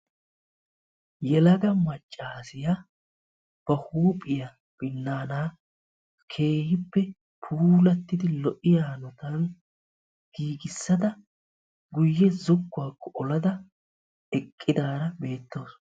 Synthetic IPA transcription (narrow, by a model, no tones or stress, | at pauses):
jɛlɐɡɐmɐt͡ʃʼːaːsɪja | b̥ɐhuːpʼːɪjɐ | b̥ɪnːaːnaː | kʰe̞ːhɪpːɛ | pʰuːlɐt̪ːɪd̪ɪlɔʔɪjaːnɔt̪ɐn | ɡ̥iːɡɪsːɐd̪ɐ | ɡʊjːɛzʊɡːʊwaːkːɔʔɔlɐd̪ɐ | ɛkʼːɪd̪aːɾɐbe̞ːt̪ːo̞ːs